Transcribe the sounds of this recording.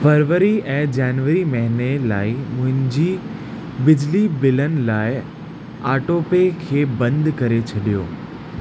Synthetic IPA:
fɐɾʋəɾiɛ̃ːd͡ʑaːnʋəɾimɐɦɪnela̰ːɪmʊ̃ɦɪ̃ɲd͡ʑi | bɪd͡ʑlibɪlənɪ̆laːɪ | aːʈoːpekʰeːbɐ̃nd̪ʱkɐɾet͡ɕʰɐɗijo̰ː

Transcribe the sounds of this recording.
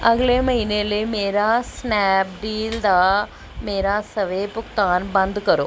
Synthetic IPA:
ɐɡlemɐɦɪneːleːmeːɾaːsnɛːp̚ɖiːld̪aː | meːɾaːsɐʋeːpʊkt̪aːnbɐ̃nd̪kɐɾoː

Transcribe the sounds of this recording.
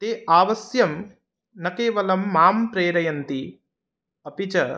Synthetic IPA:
t̪eːʔaːʋɐsjɐm | nɐkeːʋɐlɐmːaːmpɾeːɾɐjɐnt̪i | ɐpit͡ʃɐ

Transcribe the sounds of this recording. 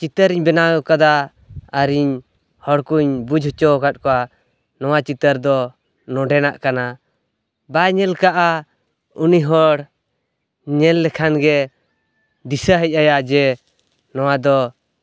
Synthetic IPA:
t͡ʃit̪əɾiɲbɛnakad̪a | aɾiɲ | hɔɽkuɲbud͡ʒɦɔt͡ʃɔkat̪̚kɔwa | nɔwat͡ʃit̪əɾd̪ɔ | nɔɖɛnaʔkana | baɲɛlkaʔa | uniɦɔɽ | ɲɛlːɛkʰanɡɛ | d̪isəɦəc̚ˀajad͡ʒɛ | nɔwad̪ɔ

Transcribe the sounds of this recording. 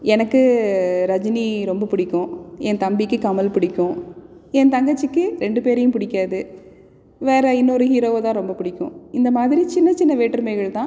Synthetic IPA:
ɛnɐkːɯɾɐd͡ʒniɾɔmbɐpʊɽɪkːʊ̃ɛnt̪ɐmbikːɯkɐmɐlpʊɽɪkːʊ̃ɛnt̪ɐŋɡɐt͡ʃːɯkːɯɾɛɳɖɯpeːɾɐjʊ̃pʊɽɪkːaːðɯ | ʋeːɾɐɪnːɔɾɯɦiːɾoːʋt̪ãːɾɔmbɐpʊɽɪkːʊ̰̃ɪnd̪ɐmaːðɪɾit͡ʃɪnːɐt͡ʃɪnːɐʋeːʈːɾɯmɐɪɣɐɭt̪ãː

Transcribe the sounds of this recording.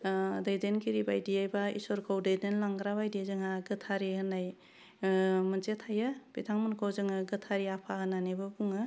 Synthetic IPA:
dajdenkiɾibajdijajbaḭsɔɾkʰɔwdejdenlaŋɡɾabajdizɯŋaɡɯtʰaɾihɯnːaj | mənt͡ʃetʰajab̥itʰaŋmɯnkʰawzɯŋaɡɯtʰaɾiapʰaɦɯnanebɯbuŋɯ

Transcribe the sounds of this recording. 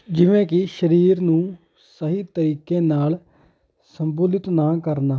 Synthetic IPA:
d͡ʒɪʋẽːkɪʃəɾiːɾnũː | səɦiːt̪əɾiːkeːnaːl | səmbuːlɪt̪naːkəɾnaː

